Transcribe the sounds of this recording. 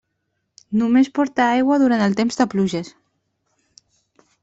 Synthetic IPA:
numespɔɾt̪aajɣwəðuɾant̪əlˠt̪emzd̪əpluʒəs

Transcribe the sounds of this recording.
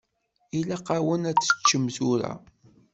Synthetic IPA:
ilæqawənæt͡sːə̥t͡ʃːəmzuɾæ̰

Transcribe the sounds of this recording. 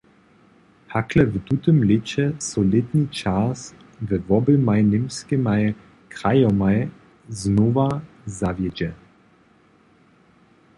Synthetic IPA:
haklɛvt̪ut̪əmlɪt͡ɕɛsɔlɪt̪nʲit͡ʃaːs | vɛvɔbɪmajnɪmskɪmaj | kɾajɔmaj | znuva | zavjɛd͡ʑɛ

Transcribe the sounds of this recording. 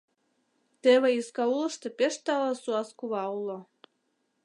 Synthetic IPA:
t̪eβeiskɑulˠɤ̆ʃt̪ĕpeʃt̪ɑlɑsuɑskuβɑulo

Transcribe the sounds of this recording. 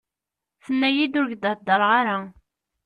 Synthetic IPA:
θənːæjid̪ʊɾɡd̪əd̪ːəɾˤʁaɾa

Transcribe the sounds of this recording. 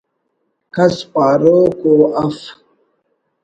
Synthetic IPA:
kɐspaːɾokoːaf

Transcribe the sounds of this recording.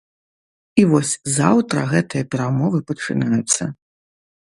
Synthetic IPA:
ivɔsʲzawt̪ɾɐɣɛt̪ɨjɐpʲɛɾamɔvɨpɐt͡ʂɨ̰najut̪sːɐ

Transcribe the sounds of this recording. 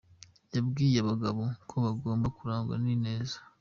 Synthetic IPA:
jabɡiːjeβaɡaβo̞kʰo̞βaɡo̞ːmbakuɾaːŋɡwa̰nine̞ːzḁ

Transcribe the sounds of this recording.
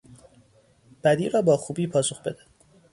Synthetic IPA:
b̥æd̪iːɾɒːbɒːxuːbiːpʰɒːsoxbe̞d̪æ̥

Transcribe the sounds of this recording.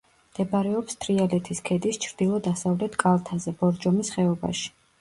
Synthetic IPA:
md̪̥ɛbaɾɛɔpst̪ʰɾialɛt̪ʰiskʰɛd̪ist͡ʃʰɾd̪ilˠɔd̪asavlɛt̪ʰkʼalˠt̪ʰazɛbɔɾd͡ʒɔmisχɛɔba̰ʃi̥

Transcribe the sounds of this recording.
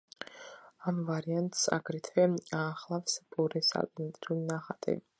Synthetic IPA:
amvaɾiant̪ʼsa̰ɡɾit̪ʰvɛaːχlˠafspʼɔɾɛsa̰lʼnɛt̪ʼɾiulnaχat̪ʼɛ̰bi

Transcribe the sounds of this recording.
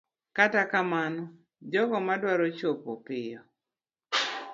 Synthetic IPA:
katakamanɔ | d͡ʒɔɡɔmadwaɾot͡ʃopo̰pɪjɔ

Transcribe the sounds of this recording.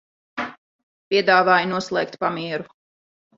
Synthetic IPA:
pʲiɛd̪aːvaːjnuɔslˠɛ̰ːk̚t̪pamiɛɾu

